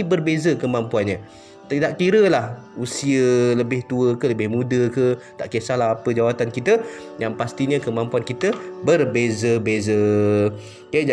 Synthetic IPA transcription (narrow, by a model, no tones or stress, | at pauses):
ibərbezəkəmampuanɲə̃ | t̪t̪aʔkiɾəlahusiələbɪht̪uəkələbɪhmũdəkət̪aʔkesahlaɦapəd͡ʒawat̪ankit̪ə | jaŋpast̪iɲə̃kəmãmpuankit̪əbərbezəbezə | ka